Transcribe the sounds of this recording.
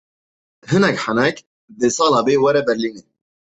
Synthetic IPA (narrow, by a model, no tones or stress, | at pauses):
hɨnɛkħanɛk | d̪ɨsɑːlɑːbeːwɛɾɛbɛɾline